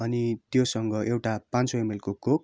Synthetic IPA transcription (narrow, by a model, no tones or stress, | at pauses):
ʌnit̪josʌŋɡʌʔewʈapãnt͡soemelkokok̚